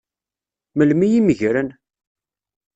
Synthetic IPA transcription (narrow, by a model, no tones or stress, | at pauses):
məlmijiməʝɾən